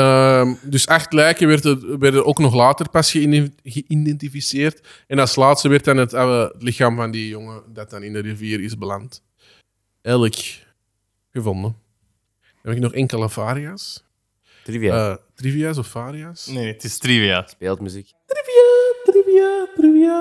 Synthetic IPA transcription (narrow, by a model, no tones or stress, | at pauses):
əmdʏsaxtlɛːkəʋɛrtəʋɛrtəɾʔoːknɔxlaːtərpasxəɣəʔindɛntifiseːrt | ɛnɑlˠslaːtstəʋɛrtanɦətɑlətlɪxaːmvɑndijɔŋədɑt̚dɑnɪndəɾiviːɾɪzbəlant | ɛːjlək | ɣəvɔndə | ɛpɪknɔxɛŋkələfaːɾiaːs | tivtrivias̬ɔfːaːɾiaːsnetɪstɾiviaspeːlˠtmyziktriviatriviatɾivia